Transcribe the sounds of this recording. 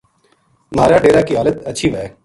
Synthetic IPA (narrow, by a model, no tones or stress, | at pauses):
maːɾaːɖeːɾaːkiːɦaːlət̪əːt͡ʃʰiːʋɛ